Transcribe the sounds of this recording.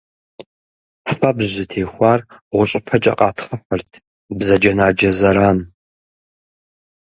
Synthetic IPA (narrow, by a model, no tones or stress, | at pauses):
fɐbʑɨtʰeːxʷɑːrʁʷʊɕʼɪpʰɐt͡ʃʼɐ̰qʼɑːtʰχɐħɐrtʰ | bzɐd͡ʒɐnaːd͡ʒɐzɐɾaːn